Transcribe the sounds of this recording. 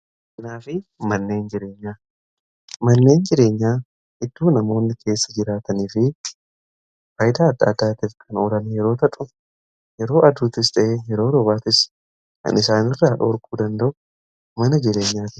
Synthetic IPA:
ʔɐnaːfɪmɐnːe̞ːnd͡ʒɪɾe̞ːɲːaː | mɐnːe̞ːnd͡ʒɪɾe̞ːɲːaː | ʔɪd̪ːuːnɐmo̞ːnːɪkʰe̞ːsːɐd͡ʒɪɾaːt̪ɐniːfɪ | faːjɪd̪aːd̪ːaːd̪ːaːt̪ɪfkʰɐnɔlɐnjɛɾo̞ːt̪ɐᶑʼʊ | jɛɾo̞ːʔɐd̪uːt̪ɪst̪ɐʔeːjɛɾo̞ːɾɔβaːt̪ɪs | kɐ̰nɪsaːnɪrːaːᶑoɾkuːd̪ɐnd̪ɐʔʊ | mɐnɐd͡ʒɪɾe̞ːɲːaːt̪ɪ

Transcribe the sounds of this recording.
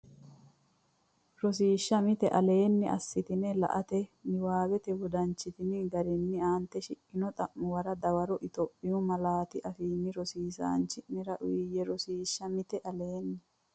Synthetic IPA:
ɾɔs̬iːʃːɐmɪt̪ɛʔɐle̞ːnːɪɐ̰sːɪt̪ɪnɛlɐ̰ʔɐt̪ɛnɪwaːbɛt̪ɛwɔd̪ɐnt͡ʃːɪt̪ɪnɪɡɐɾɪnːɪaːnt̪ːɛʃɪkʼːɪnɔt̪ʼɐʔːʊwɐɾɐd̪ɐwɐɾɔʔɪt̪ɔpʼːɪjʊmɐlaːt̪ɪʔɐfiːnːɪɾɔsiːsa̰ːnt͡ʃɪnːɪɾɐʔʊjɛɾɔsiːʃːɐmɪt̪ɛʔɐleːnːɪ

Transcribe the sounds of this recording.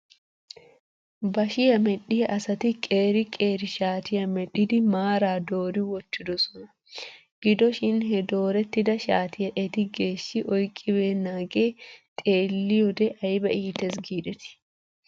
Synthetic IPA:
bɐʃɪjɐmɛᶑɪjɐʔɐsɐt̪ɪkʼeːɾɪkʼeːɾɪʃaːt̪ɪjɐmɛᶑɪd̪ɪmaːɾaːd̪o̞ːɾɪwɔt͡ʃːɪd̪ɔsɔnɐ | ɡ̥ɪd̪ɔʃɪnɦɛd̪o̞ːɾɛt̪ːɪd̪ɐʃaːt̪ɪjɐʔɛt̪ɪɡe̞ːʃːɪʔɔjkʼːɪbeːnːaːɡeːt̪ʼeːlːɪjɔd̪ɛʔɐjbɐʔiːt̪ɛs̬ɡiːᶑɛt̪ɪ̥

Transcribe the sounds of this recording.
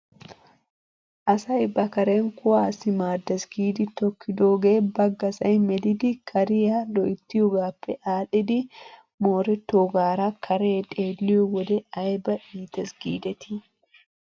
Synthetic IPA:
ʔɐsɐɪbːɐkɐɾeːŋkʊaːsɪmaːd̪ːɐsɡiːd̪ɪt̪ɔkːɪd̪oːɡeːbɐɡːɐsɐjmɛd̪ɪd̪ɪkʰɐɾɪjadɔʔɪt̪ːɪjʊɡaːpːɛʔaːᶑɪd̪ɪ | moːɾɛt̪ːoːɡaːɾakʰɐɾeːᶑ̪ʼeːlːɪʊwɔd̪ɛɐjbɐʔiːt̪ɐsɡ̥ḭːd̪ɛt̪ɪ

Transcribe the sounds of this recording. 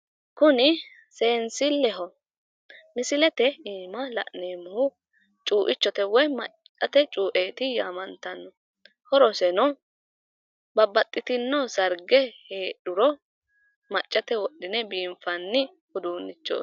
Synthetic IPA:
kʊnɪ | seːnsɪlːɛɦɔ | mɪsɪlɛt̪ɛiːmɐlɐ̰ʔneːmːʊhʊ | t͡ʃʼuːʔɪt͡ʃːɔt̪ɛwɔjmɐt͡ʃʼːɐt̪ɛt͡ʃʼuːʔeːt̪ɪjaːmɐnt̪ɐnːɔ | hɔɾɔsɛnɔ | bɐbːɐt̪ʼːɪt̪ɪnːɔsɐɾɡɛheːɗʊɾɔ | mɐt͡ʃʼːɐt̪ɛwɔɗːɪnɛbiːmfɐnːɪ | hʊd̪uːnːɪt͡ʃːo̰ː

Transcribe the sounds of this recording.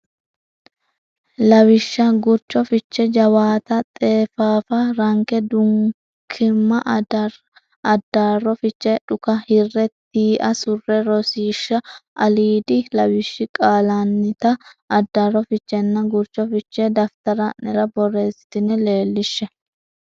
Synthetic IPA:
lɐwɪʃːɐɡʊɾt͡ʃːɔfɪt͡ʃːɛd͡ʒɐwaːt̪ɐt̪ʼe̞ːfaːfɐɾɐŋkɛd̪ʊŋ | kʰɪmːɐʔ | ɐd̪ːaːrːɔfɪt͡ʃːɛᶑʊkɐhɪrːɛt̪iːʔɐsʊrːɛɾɔsiːʃːɐʔɐliːd̪ɪlɐwɪʃːɪkʼaːlanːɪt̪ɐːd̪ːaːrːɔfɪt͡ʃːɛnːɐɡʊɾt͡ʃɔfɪt͡ʃːɛd̪ɐft̪ɐɾɐɛɾɐbɔrːe̞ːsɪ̥t̪ɪnɛle̞ːlːɪʃːɛ

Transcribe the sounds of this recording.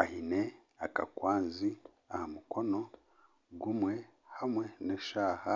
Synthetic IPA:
ahine | aka̰kwaːnzi | ahamuko̞no̞ | ɡumwe̞ | hamwe̞neʃaːha

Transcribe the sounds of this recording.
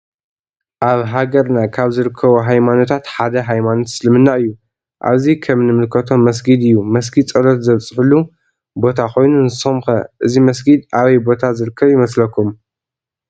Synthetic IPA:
ʔaβɦaɡɐɾnakʰaβzɨɾɨkʰːɐβoɦajmano̞t̪ʰat̪ħad̪ɐɦajmanot̪sɨlɨmɨnːaʔɨjːu | ʔa̰βzikʰɐmnɨmɨlkʰɐt̪ʰo̞mːɐs̬ɡid̪ɨjːumɐs̬ɡid̪t͡sʼɐlot̪zɐβt͡sʼɨħulːu | bo̞t̪ʰako̞jnunzɨsomxɐʔɨzimɐsɡid̪aβɐjbo̞t̪ʰazɨɾɨkʰːɐβjɪmɐslɐkʰːum

